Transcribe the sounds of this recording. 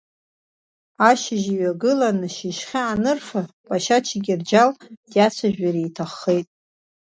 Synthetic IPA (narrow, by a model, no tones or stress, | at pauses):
aʃɪʒiɥaɡɨlanɨʃiʃχʲaanɨrfapʼaʃat͡ʃʰaɡʲird͡ʒald̥jat͡ɕʷʰaʒᶣaɾijtʰaχːejtʼ